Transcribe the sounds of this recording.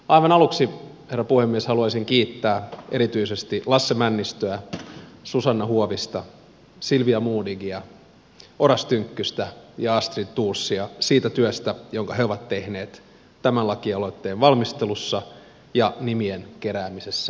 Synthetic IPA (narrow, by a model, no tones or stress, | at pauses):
ɑiʋɑnɑluksi | herːɑpuhemːieshɑluɑsiŋkiːt̪ːæːʔeɾit̪yise̞st̪ilɑsːemænːist̪øæsusɑnːɑhuoʋist̪ɑ | silʋiɑmuːniɡiɑ | oɾɑst̪yŋkːyst̪æjɑɑst̪rit̪uːrsːiɑsiːt̪æt̪yøst̪æjoŋkɑɦeo̞ʋɑt̪ːe̞hne̞ːt̪ | t̪æmænlɑkiɑloit̪ːeːʋʋɑlmist̪elusːɑ | jɑnimienkeɾæːmisesːæ̥